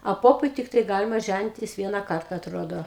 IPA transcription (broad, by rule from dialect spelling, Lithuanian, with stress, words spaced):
ɐ ˈpoːpʊɪ ˈtʲɪktɐɪ ˈɡɑːlʲɪmɐ ˈʒʲænʲɪtʲɪs ˈʋʲiɛnɐ ˈkɐrtɐ ɐtˈroːdoː